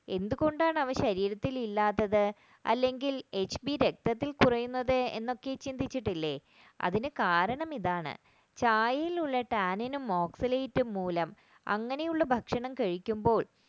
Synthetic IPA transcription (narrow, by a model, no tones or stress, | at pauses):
e̞nd̪uɣo̞ɳɖaːɳɐʋɐɕɐɾiːɾɐt̪ːililːaːt̪ːɐðɨ | ɐ̰lːe̞ŋɡile̞t͡ɕːbiɾe̞k̚t̪ɐt̪ːilkurɐjunːɐðɨe̞̰nːo̞kːe̞t͡ɕind̪ʱit͡ɕːiʈːilːe̞ | ɐ̰ðinɨkaːɾɐɳɐmiðaːɳɨ̰ | t͡ɕaːjjiluɭːɐʈaːninumːo̞ːksɐlejitːumːuːlɐm | ɐ̰ŋːɐne̞juɭːɐbʱɐkʂɐɳɐmkɐɻikʲːumbo̞ːɭ